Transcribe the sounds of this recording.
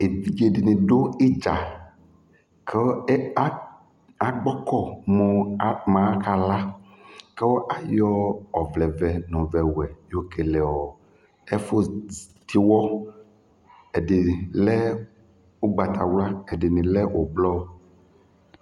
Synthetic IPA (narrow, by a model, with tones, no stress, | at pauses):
e˨i˨ɡe˨di˨nĩ˨ɖo˦i˦d͡ʒa˨ | kʰe˦ | a˨ɡ͡bɔ˦kɔ˦mo˨˦mã˨˦ka˨la˦ | ke˦wo˦ʔa˨jɔ˦ɔ˨vlɛ˨vɛ˨nũ˨vɛ˨wɛ˨jo˦ke˨lɛ˨ɔ˨ | e˦fo˦ | t̪ʰi˦wɔ˦ | e˨de˨i˨lɛ˦ | wo˦ɡ͡ba˨t̪ʰa˨wla˦e˨de˨nĩ˨lɛ˦wʔo˨blɔ˦o˦